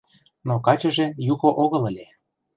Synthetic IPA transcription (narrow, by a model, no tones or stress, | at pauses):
nokɑt͡ɕɤ̆ʒĕjukoʔoɣɤ̆ləlʲe